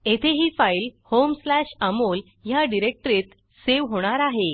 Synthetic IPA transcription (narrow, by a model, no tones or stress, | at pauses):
et̪ʰeɦiːfailhomslæɕəmol | jaɖiɾek̚ʈɾet̪ | seʋɦoɽ̃aɾaɦe